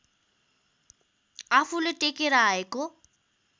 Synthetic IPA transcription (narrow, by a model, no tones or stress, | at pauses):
afʊlɪtʼekʼɪɾaɪkʼʊ